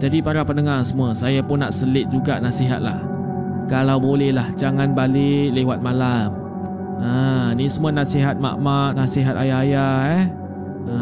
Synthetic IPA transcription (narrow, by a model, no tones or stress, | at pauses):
d͡ʒadipaɾapənəŋasəmuəsajapʊnːaʔsəlɪt̪̚d͡ʒuɡanasiɦa̰t̪̚lah | kalawbolɛhlahd͡ʒaŋanbalɪʔlewat̪̚malam | anisəmuənaʔsiɦat̪̚ma̰ʔmaʔnasiɦat̪ajaːjaɛ | ə